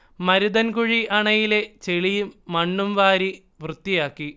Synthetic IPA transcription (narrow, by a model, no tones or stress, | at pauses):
mɐɾuðɐnkuɻiʔɐɳɐjile̞t͡ɕeɭijumːɐɳːumʋaːɾi | ʋrɨt̪ːijaːkːi